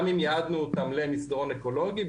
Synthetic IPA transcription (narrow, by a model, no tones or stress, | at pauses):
mimjaad̪nuːt̪amlemisd̪aʁoneko̞lo̞ɡi